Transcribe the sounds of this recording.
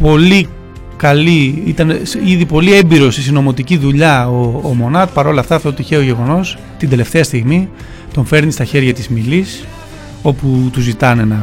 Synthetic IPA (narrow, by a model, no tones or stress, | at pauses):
po̞li | kɐliit̪ɐnsiðipo̞lie̞mbiɾo̞st̪isino̞mo̞t̪iciðuʎɐoːmo̞nɐt̪pɐɾo̞lɐft̪ɐft̪oot̪içeoʝe̞ɣo̞no̞s | t̪ind̪e̞le̞ft̪e̞ɐst̪iɣmi | t̪o̞ɱfe̞ɾnist̪ɐçe̞ɾʝɐt̪izmilis | o̞put̪uzit̪ɐne̞nɐ